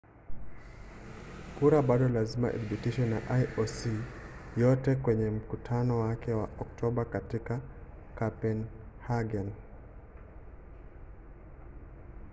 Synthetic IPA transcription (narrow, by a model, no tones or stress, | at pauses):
kuɾabadɔlazima̰ʔḛdbitiʃɛna̰ʔajosijɔtɛkwɛɲɛm̩kutʰanɔwakɛwaʔɔktʰɔbakatika | kapɛnhaɡɛn